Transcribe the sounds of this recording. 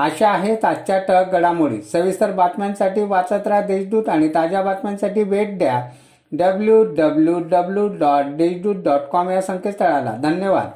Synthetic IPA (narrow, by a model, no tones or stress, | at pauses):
aɕaːɦet̪at͡ɕjaʈək̚ɡəɽamuɭḭːsəʋist̪əɾbat̪mansaʈiːʋat͡sət̪ɾad̪eɕd̪uːt̪aɽ̃it̪ad͡ʑjabat̪mansaʈiːʋeʈ̚ɖ̪ja | ɖəbljuɖəbljuɖəbljuɖɔʈ̚ɖeɕd̪uːt̪̚ɖɔʈkɔmjasə̃ŋket̪t̪əɭala̰d̪ʱənjəʋa̰d̪